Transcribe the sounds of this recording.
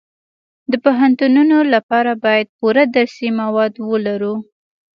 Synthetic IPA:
d̪əpoɦant̪ununolapɑɾabɑjad̪̚puɾad̪aɾsimawɑd̪wəlaɾu

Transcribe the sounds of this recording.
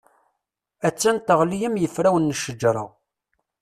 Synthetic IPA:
æt͡sːænt̪əʁlijəmjəfɾæwənːəʃəd͡ʒɾˤɑ̰

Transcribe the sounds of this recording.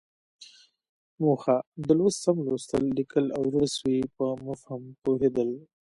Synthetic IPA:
moːxad̪əlwəssamlost̪əlːikəlawɾəswipəmʊfhampoɦed̪əl

